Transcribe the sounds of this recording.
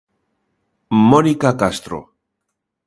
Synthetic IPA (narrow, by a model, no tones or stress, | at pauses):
monikakast̪ɾo̰